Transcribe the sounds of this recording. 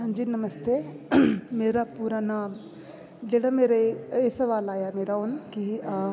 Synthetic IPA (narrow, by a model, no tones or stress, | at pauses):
ɦɐ̃ɲd͡ʒiːnɐmɐst̪e | meːɾapuːɾanaːm | d͡ʒeɽameːɾeesɐʋaːlaːjameːɾaonki